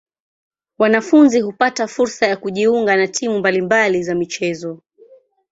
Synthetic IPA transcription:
wanafunziɦupatafuɾsajakuʄiuŋɡanatʰimumbalimbalizamit͡ʃɛzɔ

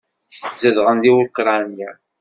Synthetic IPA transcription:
zəðʁənd̪iwkɾɑnjæ

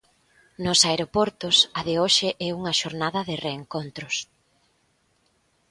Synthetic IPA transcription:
nʊsaeɾopɔɾt̪ʊsɐðɪoʃɪʔɛuŋɐʃoɾnaðɐðɪreːŋkont̪ɾʊs

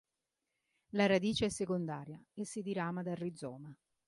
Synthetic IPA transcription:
laɾad̪iːt͡ʃeɛsːekond̪aːɾjaesːid̪iɾaːmad̪arːid̪zɔːma

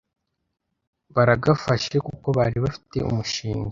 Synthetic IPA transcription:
βaɾaɡafaʃekuko̞βaɾiβafi̥te̞̰ʔṵmuʃiːŋɡa

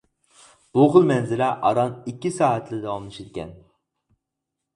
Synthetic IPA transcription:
b̥oχʊlˠmɛnzɪlɛʔɑɾɑnikʲːisɑːt̪ʰlɪd̪ɛwɑmlˠɨʃid̪ɪkʲʰɛ̰n

